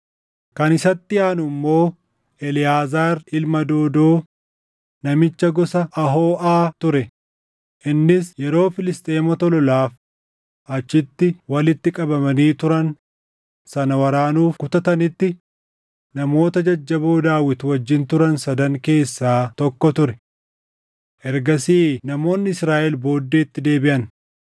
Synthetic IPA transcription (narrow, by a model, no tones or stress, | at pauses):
kɐnɪsɐt̪ːɪaːnʊmːo̞ː | ɛlɪjaːzaːɾɪlmɐd̪o̞ːd̪oː | nɐmɪt͡ʃːɐɡɔsɐʔːɦoːʔaːt̪ʊɾɛ | ʔɪnːɪsjɛɾo̞ːfɪlɪst̪ʼe̞ːmɔt̪ɔlɔlaːf | ɐt͡ʃːɪt̪ːɪwɐlɪt̪ːɪkʼɐbɐmɐniːt̪ʊɾɐn | sɐnɐwɐɾaːnuːfkʊt̪ɐt̪ɐnɪt̪ːɪ | nɐmo̞ːt̪ɐd͡ʒɐd͡ʒːɐboːd̪aːwɪt̪wɐd͡ʒːɪnt̪ʊɾɐnsɐd̪ɐŋke̞ːsːaːt̪ɔkːɔt̪ʊɾɛ | ʔɛɾɡɐsiːnɐmo̞ːnːɪɪsɾaːʔɛlbo̞ːd̪ːeːt̪ːɪd̪e̞ːbɪʔɐn